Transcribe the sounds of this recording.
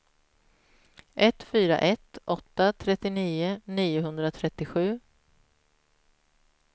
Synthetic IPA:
ʔɛt̪ːfyːɾa̰ʔɛt̪ɔt̪ːat̪ʰɾɛt̪ːɪniːʊniːʊɦɵnd̪ɾat̪ʰɾɛt̪ːɪɧʉ̟ː

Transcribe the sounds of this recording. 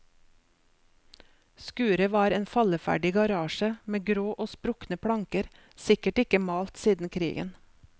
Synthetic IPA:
skʉːɾəʋɑːɾeːnfɑləfæ̰ɖɪɡɑɾɑːʃəmeːɡɾoːʔoːspɾʊknəpʰɽɑŋkəɾ | sɪkəʈɪkəmɑːlt̪siːd̪n̩kʰɾḭːɡə̰n

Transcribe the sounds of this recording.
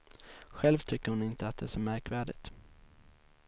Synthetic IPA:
ɧɛlvt̪ʰʏkːəɾhʊnɪnt̪əat̪̚d̪ɛæʂɔmæɾkvæːɖɪt̪

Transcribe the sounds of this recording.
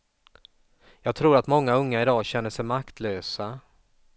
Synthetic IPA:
jɑːɡ̚t̪ʰɾuːɾat̪mɔŋːaɵŋːaɪd̪ɑːɕɛnːəʂɛjmakt̪ʰløːsa

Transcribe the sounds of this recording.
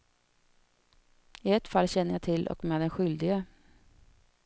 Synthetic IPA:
ɪɛt̪falːɕɛnːəjæɪt̪ʰɪlʔɔ̰kmeːd̪ɛnɧʏld̪ɪɡə

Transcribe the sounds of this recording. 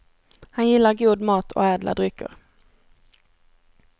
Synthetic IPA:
hanjɪlːaɾɡuːd̪mɑːt̪ʰo̰ːɛːd̪lʔa̰d̪ɾʏkʰə̰ʁ

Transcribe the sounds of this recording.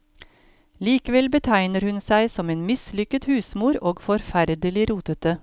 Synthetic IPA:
liːkəʋɛlbət̪ʰæɪnəɾhʉnsæɪsɔmeːnmɪslʏkət̪hʉːsmuːɾoːɡfɔɾfæɾd̪əlɪɾuːt̪ət̪̚ə

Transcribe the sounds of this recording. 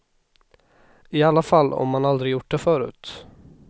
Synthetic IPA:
ɪalːafalːɔ̰mːanald̪ɾɪjʊʈ̚ːɖɛfœːɾʉ̟̰ːt̪

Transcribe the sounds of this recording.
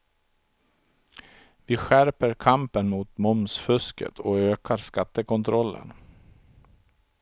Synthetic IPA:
vɪɧæɾpəɾkʰampənmʊːt̪mʊmsfɵskə̰t̪ʰɔøːkʰaɾskat̪ːəkɔnt̪ʰɾɔlːə̰n

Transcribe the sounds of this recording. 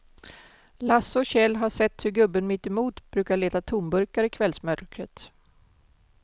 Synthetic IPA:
lasːɔɕɛlːɦaʂɛt̪ːhɵɾɡɵbːənmɪt̪ːɛmuːt̪b̥ɾʉ̟ːkaɭeːt̪at̪ʰuːmbɵɾkaɾɪkʰvɛlsmœɾkɾə̰t̪

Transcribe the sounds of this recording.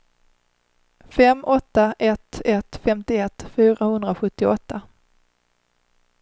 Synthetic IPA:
fɛmʔɔt̪ːaʔɛt̪ɛt̪fɛmt̪ɪɛt̪ːfyːɾahɵnd̪ɾaɧɵt̪ːɪɔt̪ːa

